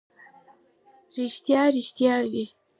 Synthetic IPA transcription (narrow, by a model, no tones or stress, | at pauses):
ɾɪʃt̪jɑɾɪʃt̪jɑwi